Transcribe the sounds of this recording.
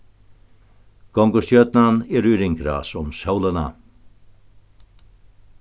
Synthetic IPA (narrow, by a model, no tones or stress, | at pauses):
kɔŋɡʊst̪jœt̪nanɛɾyɾɪŋkɾa̰sɔmsawləna̰